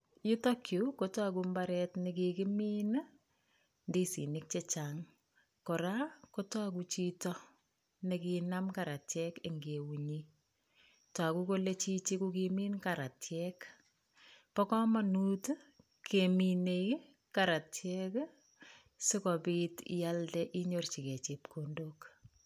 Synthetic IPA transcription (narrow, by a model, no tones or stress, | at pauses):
jutokʰjukotak̬umbaɾɛtnɪkikɪmiːn | ndisḭnɪk̚t͡ʃet͡ʃaŋ | kɔɾakotak̬ut͡ʃitɔ | nekinamkaɾatjɛkeŋɡewuɲi | takukolet͡ʃit͡ʃikukimiːnkaɾatjɛk | pɔkɔmanut | kʰemine | kaɾatjɛk | sɪkɔpitjaltɛʔiɲort͡ʃiket͡ʃep̚kʰondok